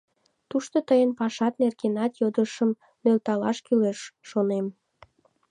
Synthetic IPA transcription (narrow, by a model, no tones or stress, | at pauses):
t̪uʃt̪ot̪əjənpɑʃɑt̪nerɣenɑt̪jod̪əʃəm | mølt̪ɑlɑʃkyleʃːonem